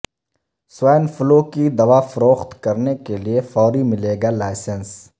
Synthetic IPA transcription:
swaːnfʊlokid̪ɐʋafɐɾoːxt̪kɐɾnekeliefɔːɾimɪleːɡalaːɪsəns

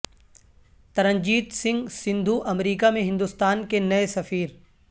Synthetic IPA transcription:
t̪ɐɾə̃ɲd͡ʑiːd̪sɪ̃ŋɡsɪ̃nd̪ʱuʔɐmɾiːkamẽɦɪ̃nd̪ʊst̪aːnkenɐesɐfiːɾ

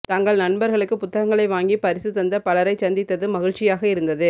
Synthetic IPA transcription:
t̪ɐŋɡɐɭnɐnbɐɾɣɐɭɯkːɯpʊt̪ːɐɣɐŋɡɐɭɐɪʋaːŋɡipɐɾɪsɯt̪ːɐnd̪ɐpɐɭɐɾɐɪt͡ʃɐnd̪ɪt̪ːɐðɯmɐɣɪɻt͡ʃːɪjaːɣɐɪɾɯnd̪ɐðɯ

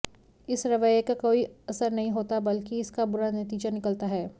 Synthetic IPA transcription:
ɪsɾɐʋəjkakoːiɐsəɾnɐɦĩɦoːt̪abɐlkiɪskabʊɾanɐt̪iːd͡ʒanɪkəlt̪aɦɛː

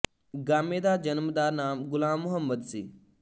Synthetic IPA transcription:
ɡaːmeːd̪aːd͡ʒənmd̪aːnaːmɡʊlãːmːʊɦəmːəd̪siː

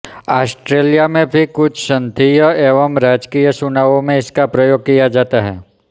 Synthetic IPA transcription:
aːsʈɾeːlijamẽbʱikʊt͡ʃʰʃə̃nt̪ʰijəeːʋəmɾaːd͡ʒkijəsʊnaːʋõmẽɪskapɾɐjoːɡ̚kijad͡ʒaːt̪aɦɛ̰ː

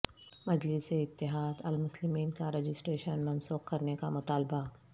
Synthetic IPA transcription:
mɐd͡ʒlɪseɪt̪ːɪɦaːd̪ɐlmʊslɪmiːnkaɾeːd͡ʒɪsʈɾeːʃənmɐnsuːqkɐɾnekamʊt̪aːlba

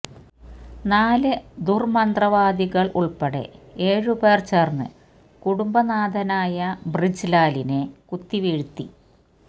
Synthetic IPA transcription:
naːlɨd̪urmɐnd̪rɐʋaːd̪iɣɐɭʔṵɭpeɽe̞̰eːɻubeːrt͡ɕernɨ̰ | kuɽumbɐnaːd̪ɐnaːjɐbrid͡ʑlaːlinekut̪ːiʋiɻut̪ːi

